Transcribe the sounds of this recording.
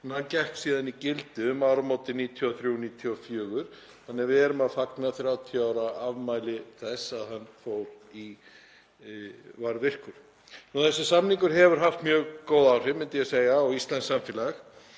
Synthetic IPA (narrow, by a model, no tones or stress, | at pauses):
nhancɛhksiːðanicɪlt̪ʏːmawɾamoːwt̪ɪniːt̪ʰjɔɔθɾjuniːt̪ʰjɔfjœːɣʏɾ̥ | θanːɛɾvɪɛɾʏmaðfaknaθɾjawt̪ʰiɔaːwɾaavmaːjlɪθɛsaðhanːfoːwɾ | i | vaɾvɪr̥kʏɾ̥ | nɔθɛsːɪ̥samniŋkʏɾ̥ɦɛvʏɾ̥ɦaft̪mjœːɣkoːwðawr̥hɪmːɪnt̪ɪjɛseːjɣaɔɣist̪lɛnsːamfɪlax